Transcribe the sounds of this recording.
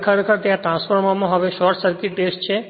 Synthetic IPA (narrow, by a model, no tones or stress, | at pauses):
kʰaɾekʰəɾt̪eãʈɾãnsfɔɾmamoɦɔbeʃɔɾʈsəɾkiʈeʃt͡ɕʰe